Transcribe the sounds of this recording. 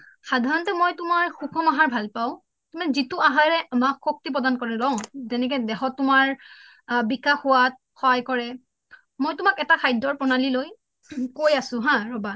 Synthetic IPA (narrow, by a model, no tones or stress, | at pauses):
sadʱaɹɔntɛmojtumaɹxukʰɔmaɦaɹbʱalpaʊ̃ | tumazitʊaɦaɹɛʔamakxok̚tip̬ɹɔdankɔɹɛlɔʊ̃zɛnɛk̬ɛdɛxɔtːʊmaɹ | bikaxʊwat̚xɔɦajkɔɹɛ | mojtʊmakɛtakʰajdɔɹpɔnaliloj | kojasʊ̃ɦãɹɔba